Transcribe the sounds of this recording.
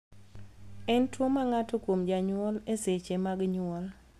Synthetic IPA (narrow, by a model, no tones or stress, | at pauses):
ɛntwomaŋatokwomd͡ʒaɲʊɔleset͡ʃemaɡɲʊɔl